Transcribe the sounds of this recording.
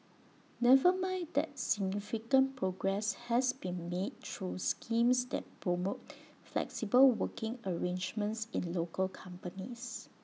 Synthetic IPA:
nɛvəmãɪ̃ndɛ̰t̚siɡ̚nifikə̃npʰɹoɡɹɛshɛsbĩnmed̚tʰɹuskʰĩmsdɛ̰t̚pʰɹomot̚ | flɛ̰ksibəlwəkɪ̃ŋəɹẽnd͡ʒmə̃nsĩnlokəlkʰãmpənis

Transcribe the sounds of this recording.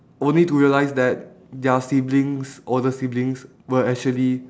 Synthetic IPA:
ʔõnlituɹiəlaɪsdɛt̚ | dəsiblĩŋsʔɔdəsiblĩŋs | wəɛk̚t͡ʃuəli

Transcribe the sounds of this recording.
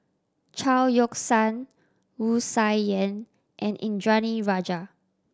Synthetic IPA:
t͡ʃʰaljɔksãn | wusajɛ̃n | ʔɛ̃nʔḭ̃nd͡ʒɹaniɹad͡ʒa

